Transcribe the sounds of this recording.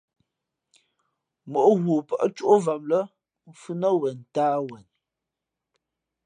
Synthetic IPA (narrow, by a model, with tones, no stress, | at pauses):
mo˨ʔɣwo˨pə˨ʔt͡ʃu˦ʔo˦va˨mlə˦ | fʉ˦nə˦wɛ˨n˨taː˦wɛ˨n